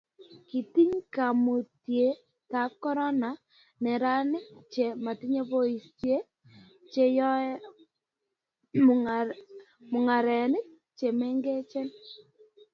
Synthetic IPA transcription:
ki˨ti˦ɲka˨mo˨tje˨˦ | ta˨˦kːɔ˦ɾɔ˦na˨ | nɛ˨ɾa˦nɪ˦k̚t͡ʃe˨ma˨tɪ˦ɲe˦po˦i˨stje˦ | t͡ʃe˨jɔ˦ | m˨ | mʊ˨ŋa˨ɾɛ˨nɪ˦k̚ | t͡ʃe˨mɛ˦ŋɡe˦t͡ʃe˦n

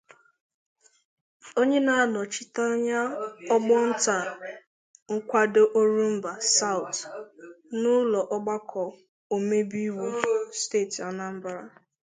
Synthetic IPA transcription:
o˦ɲe˦na˨a˦nɔ˨t͡ʃɪ˦ta˦ɲa˦ɔ˦ɡ͡bɔ˦n̩˦ta˨ | ŋ̩˦kʷa˦do˦ʔo˦ɾu˦m̩˦ba˨sa˦wʊ˨t | nʊ˦lɔ˨ʔɔ˦ɡ͡ba˦kʰɔ˨ | o˨me˦bi˦we˨steː˦˨ta˨na˦m̩˦ba˨ɾa˦

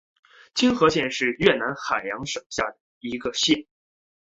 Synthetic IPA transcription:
t͡ɕʰi˥ŋxɤ˧˥ɕjɛ˥˧nʂɻ̩˥˧ɥɛ˥˩na˧˥nxa˨˩ɪjɑ˧˥ŋʂɤ˨˩ŋɕja̰˥˩d̪ə˩i˧˥ɡə˧ɕjɛ˥˩n

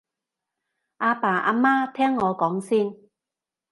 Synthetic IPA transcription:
ʔaː˧paː˨˩ʔa̰ː˧maː˥t̪ʰɛː˥ŋːɔː˨˧kɔː˨˥ŋsiː˥n

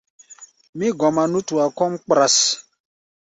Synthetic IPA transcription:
mĩ˦ɡɔ˨ma˨nu˦tu˨a˨kɔ˦mk͡pɾa˨s

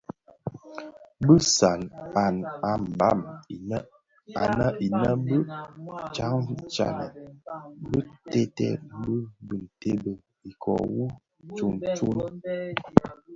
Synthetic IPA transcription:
bə˦sa˨na˨na˨m̩˨ba˦˨mi˨nə˦ | a̰˨na˦ʔi˨na˦bə˦t͡ʃa˨˦ŋ˦t͡ʃa̰˨nə˨ | bə˦tɛ˦tɛ̰˦bə˦bə˨n̩˨te˦bə˨ | i˨kʰɔ̰˨wu˦ | t͡ʃu˨nt͡ʃu˦n

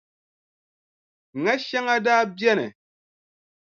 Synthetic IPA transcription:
ŋa˦ʃa˦ŋa˦daː˦bjɛ˦nɛ̰˨

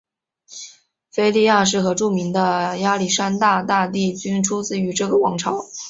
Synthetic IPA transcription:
fe˥ɪli˥˧ja˥˧ʂ̬ɻ̩˥˩xɤ˧˥ʈ͡ʂu˥˩mi˧˥ŋd̪ə˧ja˥li˨˩ʂa˥nt̪a˥˧t̪a˥˧t̪i˥˩t͡ɕy˥nʈ͡ʂʰu˥t͡sɹ̩˥˩y˧˥ʈ͡ʂɤ˥˩ɡə˩wɑ˧˥ŋʈ͡ʂʰɑ˧˥˦ʊ

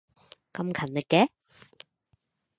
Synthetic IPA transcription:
kɐ˧mkʰɐ˨˩nlɪ˨˧kːɛ˨˥

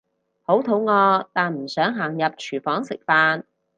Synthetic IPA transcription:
ho˨˥wt̪ʰo˨˥wŋɔː˧t̪aː˨nm̩˨˩sœː˨˥ŋɦaː˨˩ŋjɐ˨p̚t͡ʃʰyː˨˩fɔː˨˥ŋsɪ˨k̚faː˧n

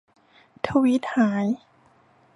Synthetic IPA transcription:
t̪ʰa˧wi˦˥t̪̚haː˩˦j

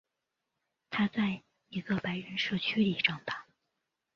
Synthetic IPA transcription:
t̪ʰa˥t͡sa˥˩ɪ | i˧˥ɡə˧pa˧˥ɪɻə˧˥nʂɤ˥˩t͡ɕʰy˥li˨˩ʈ͡ʂɑ˥˩ŋt̪ɑ˨˩˦ŋ

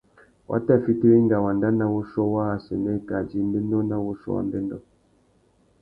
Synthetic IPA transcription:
wʔa̰˦tɛ˦˨fi˦ti˦ɾi˦ŋɡa˨wa˨nda˦na˦wo˦ʃɔ˦wa˦a˨sɛ˨nɛ˦ka˨d͡ʒi˦m˦be˦nɔ˦na˦wo˦ʃɔ̰˦wa̰˨mbe˦ndɔ˦

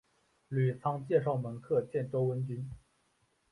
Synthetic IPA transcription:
ly˨˩t͡sʰɑ˥ŋt͡ɕjɛ˥˧ʂ̬ɑ˥˩ʊmə˧˥nkʰɤ˥˧t͡ɕjɛ˥˩nʈ͡ʂo˥ʊwə˧˥nt͡ɕy˥n

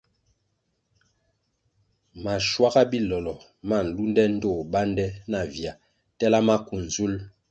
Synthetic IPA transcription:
ma˨ʃwa˦ɣa˦bi˦lɔ˨lɔ˨ | ma˦˨n̩˨lu˦ndɛ˦n̩˦to˦˨ba˦ndɛ˦na˨vja˨ | tɛ˦la˦ma˦ku˨n̩˨zu˦l

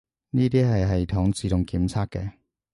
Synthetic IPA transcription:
niː˥t̪iː˥ɦɐ˨jɦɐ˨jt̪ʰɔː˨˥ŋt͡siː˨˧t̪ʊ˨ŋkiː˨˥mt͡sʰaː˥k̚kːɛ̰˧

